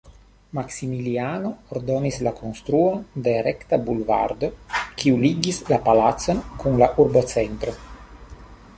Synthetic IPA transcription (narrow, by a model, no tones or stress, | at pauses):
maksimilianooɾd̪o̞nislakʰo̞nst̪ɾuo̞nd̪e̞ɾekt̪abulva̰ɾd̪o̞kiuliɡislapalat̪so̞nkunlaʔuɾbo̞t͡sent̪ɾo̞